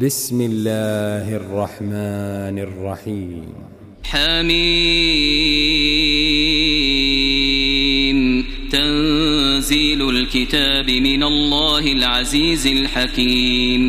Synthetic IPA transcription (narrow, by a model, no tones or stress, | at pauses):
bɪsmɪlːaːhʔɑrˤːɑħmaːnɑrˤːɑħiːmm | ħaːmiː | mt̪anziːlʊlkɪt̪aːbɪmɪnalˤːaːhɪlʕaziːzalħakiːm